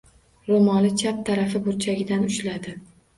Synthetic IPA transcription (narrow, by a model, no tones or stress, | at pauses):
ɾomɒlɪt͡ʃʰap̚t̪ʰaɾafɪbʊɾt͡ʃʰaɡʲɪd̪anʊʃlad̪ɪ